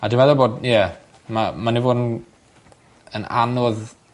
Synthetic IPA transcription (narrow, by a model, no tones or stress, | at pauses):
adimaðɔboːdijɛ | mamanivoːdn | əna̰nʊð